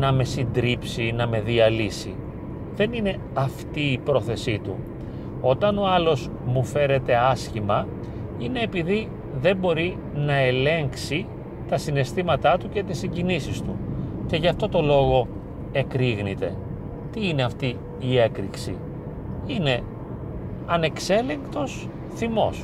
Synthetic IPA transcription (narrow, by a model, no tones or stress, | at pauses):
nɐme̞sind̪ɾipsinɐme̞ðiɐlisḭ | ðe̞nine̞ | ɐft̪iːpɾo̞θe̞sit̪ṵ | o̞t̪ɐno̞ɐlo̞z | mufe̞ɾe̞t̪e̞ɐscimɐ | ine̞ːpiði | ðe̞mbo̞ɾi | nɐe̞le̞ŋksi | t̪ɐsine̞st̪imɐt̪ɐt̪uce̞t̪isiɲɟinisist̪uce̞ʝɐft̪o̞t̪o̞lo̞ɣo̞ | e̞kɾiɣnit̪e̞̰ | t̪iine̞ɐft̪i | ie̞kɾḭksḭ | ine̞ | ɐne̞kse̞le̞ŋkt̪o̞s | θimo̞s